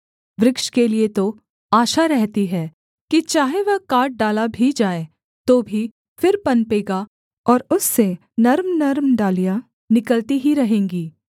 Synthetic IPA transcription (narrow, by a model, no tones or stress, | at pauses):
ʋɾɪkʃkeliet̪o | aːʃaɾɛɦt̪iɦɛː | kit͡ʃaːɦeʋɐɦkaːɾʈ̚ɖaːlabʱid͡ʒaːe | t̪oːbʱi | fɪɾpɐnpeːɡa | ɔːɾʊsːe | nɐɾmnɐɾmɖaːlija | nɪkəlt̪iɦiɾɐɦẽːŋɡiː